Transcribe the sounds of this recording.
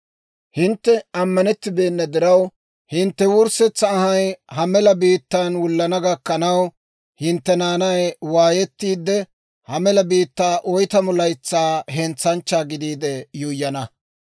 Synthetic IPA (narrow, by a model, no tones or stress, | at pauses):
hɪnt̪ːɛɐmːɐnɛt̪ːɪbe̞ːnːɐd̪ɪɾɐw | hɪnt̪ːɛwʊɾsɛt͡sːɐːhɐjhɐmɛlɐbiːt̪ːanwʊlːɐnɐɡɐkːɐnɐw | hɪnt̪ːɛnaːnɐjwaːjɛt̪ːiːd̪ːɛ | hɐmɛlɐbiːt̪ːaːʔɔjt̪ɐmʊlɐjt͡sːaːɦɛnt͡sːɐnt͡ʃːaːɡɪd̪iːd̪ɛjʊjːɐnɐ